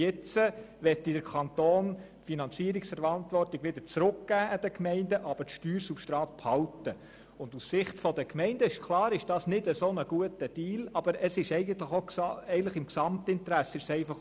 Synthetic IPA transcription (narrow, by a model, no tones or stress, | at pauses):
ɪt͡səʋɛt̪ːid̥əɾkʰɑnt̪oːn | finɑnt͡siːəɾiksfəɾɑnt̪ʋɔrtiɡʋɪd̥̪əɾt͡sɾʊkɡ̥æːʔɑd̥əkmɛɪndəʔɑb̥ətʃtyːɾsupʃtɾɑːt̚phɑltə | ʊndussɪχtfɔd̥əkmɛɪndəɪʃkʰlˠɑːɾɪʃd̥ɑːsnɪdəsoːnəɡ̥uətəd̥iːlɑb̥əɾəsɪʃɛɪɡəntləχoksɛɪɡntləχɪmksɑmt̪ɪntɾæsəɪʃsɛɪfɑχ